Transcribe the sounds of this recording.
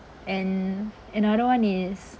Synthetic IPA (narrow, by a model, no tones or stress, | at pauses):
ɛ̃n | ɨ̃nɔɾəwʌ̃nɪs